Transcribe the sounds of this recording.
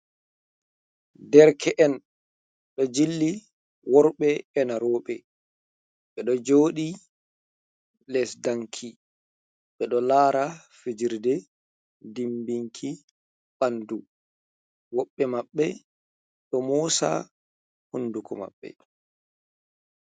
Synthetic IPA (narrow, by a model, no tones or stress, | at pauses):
dɛɾkʰɛʔɛn | ɗɔd͡ʒilːi | wɔɾɓɛɛnaɾɔːɓɛ | ɓɛɗɔd͡ʒoːɗi | lɛsdaŋkʰi | ɓɛɗɔlaːɾa | fed͡ʒiɾdɛ | dimbiŋkʰi | ɓandu | wɔɓːɛmaɓːɛ | ɗɔmɔsa̰ | hundukɔma̰ɓːɛ̰